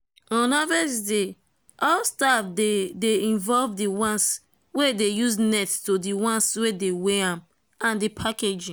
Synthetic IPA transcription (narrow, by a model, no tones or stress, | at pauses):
ɔ̃nɔvɛsde | ʔɔlstafdedeĩnvɔlvdiwɔ̃ns | wedejusnɛttodiwɔ̃nswedeweãm | ãndipʰaked͡ʒĩ